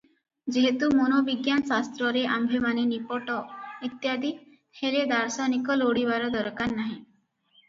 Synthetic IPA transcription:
d͡ʒeɦet̪umonobiɡjanɔsast̪ɾɔɾeʔambʱemanenipɔʈɔit̪jad̪i | heɾed̪aɾsanikɔloɽiβaɾɔd̪ɔɾkanːaɦĩ

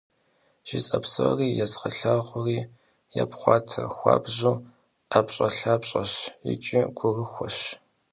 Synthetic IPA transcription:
ʒ̥it͡sʼɐpsɨriːjɛzqɐɬaːʁʷʊriː | japχʷɑːtʰɐxʷɑ̰ːbʑuː | ʔapɕʼɐɬaːpɕʼɐɕjɪ̰t͡ʃʼiɡʷʊrəxʷɔɕ

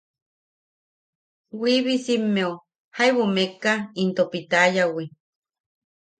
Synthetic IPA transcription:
wiβisimːeu | haiβumekːaint̪opit̪ajawi

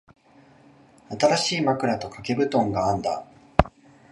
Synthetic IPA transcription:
at̪aɾaɕiːmakɯ̟ɾat̪o̞kake̞bɯ̟t̪õ̞ŋɡãːnd̪a̰

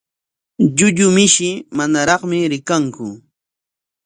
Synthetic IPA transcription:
ʎʊʎʊmɪʃɪmanaɾɑχmɪɾɪkaŋkʊ

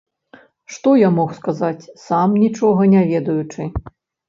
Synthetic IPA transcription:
ʂt̪ɔjamɔxskazat͡sʲsamnʲit͡ʂɔɣɐnʲavʲɛd̪ɐjut͡ʂɨ

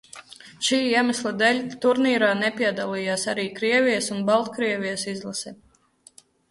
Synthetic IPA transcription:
ʃiːiɛmaslˠad̪ɛlʲt̪uɾniːɾaːnɛpiɛd̪alˠiːjaːsaɾiːkɾiɛvʲijəsunbalˠt̪kɾiɛvijəsizlˠasɛ

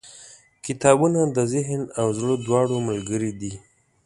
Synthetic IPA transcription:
kɪt̪ɑbunad̪əzɪɦnawzɽəd̪wɑɽoməlɡəɾid̪i

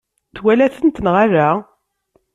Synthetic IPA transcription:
θwælæθənt̪nʁaɾæ

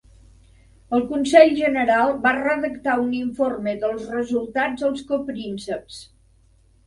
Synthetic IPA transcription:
əlˠkunsɛʎʒənəɾalˠbarəðəkt̪auniɱforməðəlˠzrəzulˠt̪ad͡zðəlˠskopɾinsəps

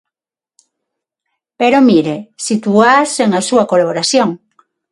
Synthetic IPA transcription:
peɾomiɾesit̪uaseŋasuakolaβoɾaθjoŋ

